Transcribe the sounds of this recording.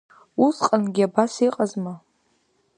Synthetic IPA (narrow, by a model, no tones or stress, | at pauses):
usqʼanɡʲiabasiqʼazma